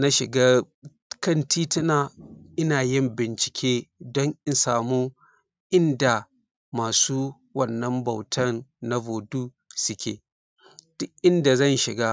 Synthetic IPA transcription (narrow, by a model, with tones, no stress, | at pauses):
na˦ʃɪ˨ɡaː˦ | kɐ˦˨ntʰiː˦tɪ˦naː˨ʔɪ˦naː˨jɪ˦˨mbɪ˨nt͡ʃɪ̥˨kʲʰeː˦dɔ˦ŋʔɪ˦nsaː˨muː˦ | ʔɪ˦nda˨ | maː˨suː˦ | wɐ˦˨nːɐ˦mbɐ˨wtʰɐ˦˨nːa˦boː˨duː˦ | sʊ˦kʲḛː˨ | dʔʔɪ˦nda˨zɐ˦˨nʃɪ˨ɡa˦